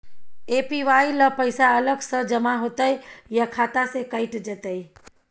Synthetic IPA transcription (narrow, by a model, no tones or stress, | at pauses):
epiʋailəpəɪsaələɡsəd͡ʒəmaɦoːt̪əjjakʰaːt̪asekəɪʈd͡ʒət̪əi